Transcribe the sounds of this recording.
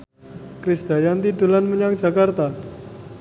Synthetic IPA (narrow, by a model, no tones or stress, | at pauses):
kɾisd̪̥a̤jant̪idulanməɲaŋ̥d͡ʒa̤kart̪a